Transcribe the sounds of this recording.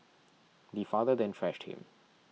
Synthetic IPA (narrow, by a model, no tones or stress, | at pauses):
d̪ifaːðəd̪ɛ̃nfɹɛʃʈhɪ̰̃m